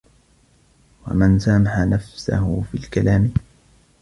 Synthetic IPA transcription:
wa̰mansamaħanafsa̰hʊfḭːlkalaːm

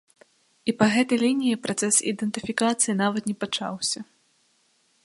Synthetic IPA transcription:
ipɐɣɛt̪ɐjlʲinʲijipɾat̪sɛsḭd̪ɛnt̪ɨfʲikat̪sɨjinavɐt̪nʲɛpat͡ʂa̰wsʲɐ

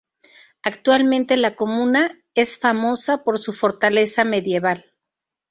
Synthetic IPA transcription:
akt̪walmẽnt̪e̞lako̞mũna | e̞sfamo̞sapo̞ɾsufo̞ɾt̪ale̞same̞ðje̞βal

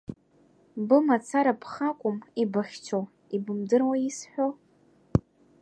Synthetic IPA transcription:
bɨmat͡sʰaɾapʰχakʷʼʊmibaχʲt͡ʃʰo | ibɨmdɨrwajisħʷᶣo

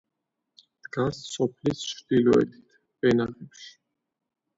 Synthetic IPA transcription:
d̪̥ɡasːɔpʰlist͡ʃʰɾd̪ilɔɛ̰t̪ʰi̥t̪ʰ | bɛnaχɛpʃi̥

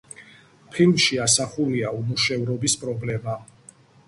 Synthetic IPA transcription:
pʰilˠmʃiasaχuliaumuʃɛvɾɔbispʼɾɔblɛma

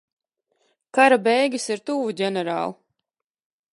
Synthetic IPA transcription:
kaɾabɛjɡʲisiɾt̪uːvuɟʲɛnɛɾa̰ːlˠ

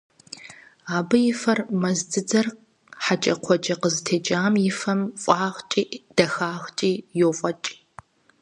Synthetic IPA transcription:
aːbɨjɪfɐrmɐzdɨd͡zɐr | ħat͡ʃʼɐqʷʰɔt͡ʃʼɐqəztʰeːt͡ʃʼaːmjɪfɐmfʼɑːʁt͡ʃʼiːd̥ɐxaːʁt͡ʃʼiːjofʼɐt͡ʃʼː

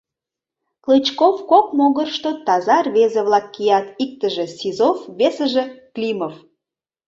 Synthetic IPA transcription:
klɨt͡ɕkofkok̚moɣərʃt̪ot̪ɑzɑrβezeβlɑkːijɑt̪ik̚t̪əʒesizofβesəʒeklʲimof

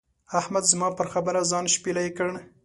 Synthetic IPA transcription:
ahmad̪zmɑpəɾxabəɾazɑnʃpilajkəɽ

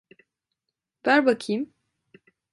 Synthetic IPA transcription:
b̥æɾbakʰim

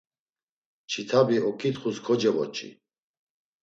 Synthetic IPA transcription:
t͡ʃʰit̪ʰabiɔkʼit̪χuskʰɔd͡ʒɛvɔ̰t͡ʃʰʼḭ

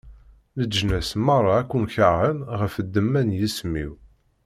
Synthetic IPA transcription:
ləd͡ʒnæsmɑrˤːɑækʷːumçəʁənʁəfəd̪ːəmːænjismḭw

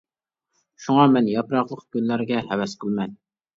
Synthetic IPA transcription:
ʃuŋɑmɛnjɑpɾɑqlˠəqkʲynlːæɾɡʲɛhɛwɛsqʰəlˠmɛn

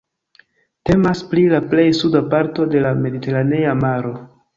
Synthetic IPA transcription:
te̞masplilaple̞jsudapaɾto̞de̞lame̞dite̞ɾane̞amaɾo̞

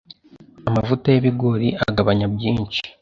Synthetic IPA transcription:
amavutajeβiɡo̞ɾiʔaɡaβaɲabjiːnt͡ʃi̥

